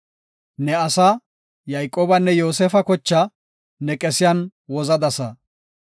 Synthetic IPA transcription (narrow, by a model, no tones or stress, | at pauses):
nɛɐsɐ | jɐjkʼoːbɐnːɛjo̞ːsɛːfɐkɔt͡ʃːɐ | nɛkʼɛsɪjɐnwɔzɐd̪ɐsɐ